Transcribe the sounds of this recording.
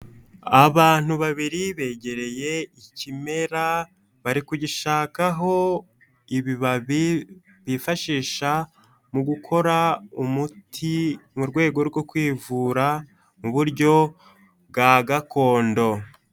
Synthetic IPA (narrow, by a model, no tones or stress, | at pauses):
aβaːn̥uβaβiɾiβe̞ɟe̞ɾe̞je̞icime̞ɾa | βaɾikuɟiʃaːkaɦo̞ | iβiβaβi | βifaʃiːʃa | muɡukʰo̞ɾaumutʰimuɾɡwe̞ːɡo̞ɾɡo̞kwiːvuːɾa | muβuɾɟo̞ | bɡaɡako̞ːndo̞